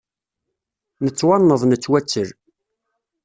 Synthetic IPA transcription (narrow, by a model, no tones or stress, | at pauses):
nət͡sːwɑnːəðˤnət͡sːwæt͡sːəɾ